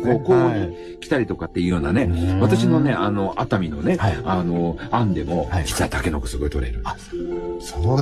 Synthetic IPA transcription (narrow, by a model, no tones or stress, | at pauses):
kokoɲ̟i | kʲi̥t̪aɾʲit̪o̞kat̪ːe̞jɯ̟joːnane̞βat̪aɕino̞ne̞ʔano̞ʔat̪amʲino̞ne̞hano̞ãnd̪e̞mo̞d͡ʑi̥t͡ɕːait̪ake̞nokɯ̟̥sɨɡo̞it̪o̞ɾe̞̰ɾɯ̟nso